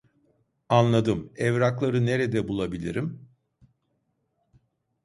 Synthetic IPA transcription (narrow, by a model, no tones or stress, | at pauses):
anlˠad̪ɯmɛvɾaklˠaɾɯne̞ɾɛd̪ɛbulˠabilʲḭɾim